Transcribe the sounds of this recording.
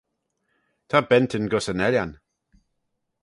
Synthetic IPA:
t̪ʰabɛntʰɪnɡɔsənɛljan

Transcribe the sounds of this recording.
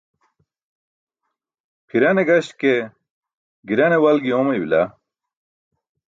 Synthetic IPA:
pʰiɾɐneɡɐɕke | ɡiɾɐnewɐlɡiomɐjwila̰

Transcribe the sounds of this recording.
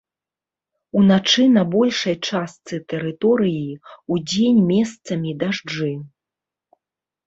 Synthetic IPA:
unat͡ʂɨnɐbɔlʲʂɐjt͡ʂast̪sɨt̪ɛɾɨt̪ɔɾɨjiud͡zʲenʲmʲɛst̪sɐmʲid̪aʐd͡ʐɨ

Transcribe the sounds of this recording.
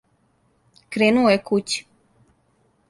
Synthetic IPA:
kɾeːnuojekut͡ɕi̥

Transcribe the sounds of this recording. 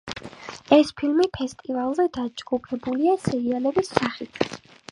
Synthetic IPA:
ɛspʰilmipʰɛst̪ʼivalˠzɛd̪ad͡ʒɡupʰɛbuliasɛɾialɔbisːaχit̪ʰ

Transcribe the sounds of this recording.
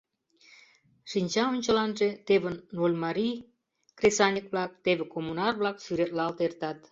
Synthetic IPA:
ʃinʲt͡ɕɑonʲt͡ɕə̆lɑnʒet̪eβənːolʲmɑɾi | kresɑnʲikβlɑk̚t̪eβĕkomunɑrβlɑkʃyɾet̪lɑlt̪ert̪ɑt̪

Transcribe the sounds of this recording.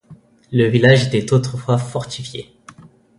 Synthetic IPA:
ləvilaʒet̪ɛt̪ot̪χəfwafɔʁt̪ifjḛ

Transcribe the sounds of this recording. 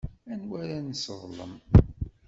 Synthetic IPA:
ænwæɾænsəðˤlə̰m

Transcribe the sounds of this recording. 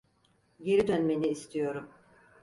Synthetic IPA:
ɟe̞ɾid̪ønmeniːst̪ʰijo̞ɾum

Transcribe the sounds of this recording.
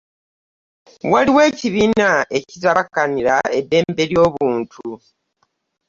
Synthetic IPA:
waliwe̞ːciβiːnae̞citaakaniɾa̰e̞dːe̞ːmbe̞ɾjo̞ːβuːntʰu

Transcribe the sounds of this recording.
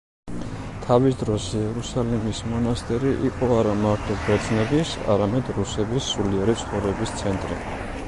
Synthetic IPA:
t̪ʰavisd̪ɾɔsɛɛɾusalimismɔnast̪ʼɛɾiʔiqʼɔaɾamaɾt̪ʰɔbɾɛd̪t̪sʰnɛbisa̰ɾamɛd̪ɾusɛbisːuliɛɾit̪sʰχɔvɾɛbist̪sʰɛnt̪ʼɾḭ

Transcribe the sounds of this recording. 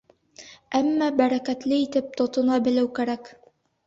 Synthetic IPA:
æmːæbæɾækæt̪lɘit̪ɘp̚t̪ŏt̪ŏnɑbɘ̆lɘwkæɾæk

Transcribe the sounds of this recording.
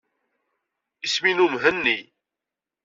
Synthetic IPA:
isminumɦənːi

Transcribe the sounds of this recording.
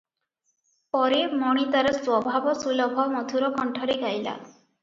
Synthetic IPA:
pɔɾemɔɽ̃it̪aɾeswɔbʱabɔsulɔbʱɔmɔt̪ʰuɾɔkɔɳʈʰɔɾeɡajla̰

